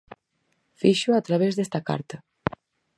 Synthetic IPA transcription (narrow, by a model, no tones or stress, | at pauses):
fiʃuat̪ɾaβ̞ezðest̪aka̰ɾt̪ɐ